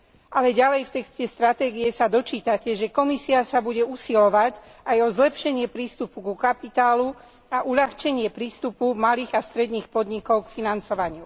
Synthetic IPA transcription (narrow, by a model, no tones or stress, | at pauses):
alɛɟalɛjft̪ɛkscɛst̪ɾat̪ɛːɡiɛsad̪ɔt͡ʃiːt̪acɛʒɛkɔmisiasabuɟɛusilɔʋacajɔzlɛpʃɛɲɪɛpɾiːst̪upukukapit̪aːlu | aʔuʎaxt͡ʃɛɲɪɛpɾiːst̪upumaliːɣast̪ɾɛd̪niːxpɔd̪ɲikɔʊkfinant͡sɔʋaɲɪu